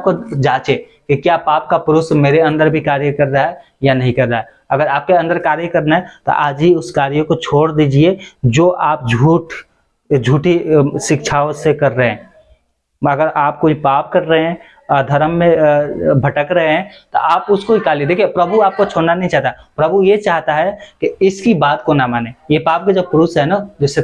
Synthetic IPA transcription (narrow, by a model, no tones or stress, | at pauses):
ap̚kod͡ʒaːt͡ʃe | kikjaːpaːp̚kapʊɾʊsmeːɾeɐ̃nd̪əɾbʱikaːɾjəkɐɾɾaɦɛ | janɐɦĩkɐɾtaɦɛ | ɐɡəɾaːp̚keɐ̃nd̪əɾkaːɾjəkɐɾnaɦɛt̪o̰ʔaːd͡ʒiʊskaːɾjõkot͡ʃʰoːɽd̪iːd͡ʒied͡ʒoːʔaːp̚d͡ʒʱuːʈ | d͡ʒʱuːʈiʃɪkt͡ʃʰaːõsekɐɾːəɦɛ̃ː | ɐɡəɾaːp̚koipaːp̚kɐɾːəɦeɛ̃ | ɔd̪ʱɐɾəmːẽbʱɐʈəkɾɐɦeɦɛ̃t̪o̰aːpʊskoikaːlied̪eːkʰijepɾɐbʱuaːp̚kot͡ʃʰoːɽnanɐɦĩt͡ʃaːɦt̪apɾɐbʱujet͡ʃaːɦt̪aɦɛkiɪskibaːt̪konamaːnejepaːp̚ked͡ʒɐb̚kɾusɦɛnad̪ʊse